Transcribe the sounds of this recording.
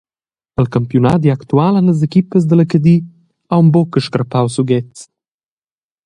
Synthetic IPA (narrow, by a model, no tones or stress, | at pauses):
əlkəmpjunad̪iakt̪ualənəz̬ekipəzd̪ələkəd̪i | awmbɔkəʃkɾəpawsuɡɛt͡s